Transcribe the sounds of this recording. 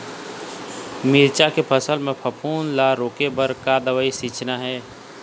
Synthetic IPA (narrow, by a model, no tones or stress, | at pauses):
miːɾt͡ʃakepʰəsəlmẽpʰəpʰuːnlaɾoːkebəɾkad̪əʋaisiːt͡ʃʰnaɦɛː